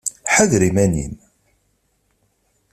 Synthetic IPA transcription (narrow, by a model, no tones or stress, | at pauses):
ħaðɾimænḭn